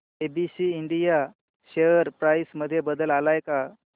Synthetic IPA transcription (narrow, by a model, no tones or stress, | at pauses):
ebisiːɳɖija | ɕejəɾpɾajsməd̪ʱːjebəd̪əlalajka